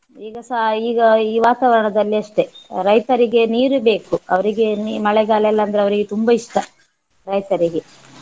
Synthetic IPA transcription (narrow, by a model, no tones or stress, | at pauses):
iːɡɐsaɦiːɡɐiːʋaːt̪aːʋɐɾɐɳɐd̪ɐlːiɐʂʈe̞ɾɐjt̪ɐɾiɡe̞niːɾube̞ːkuɐʋɐɾiɡe̞nmɐɭɛɡaːlɛlːɐnd̪ɐɾeɐʋɐɾiɡet̪umbɐiʂʈɐ | ɾɐjt̪ɐɾiɡe̞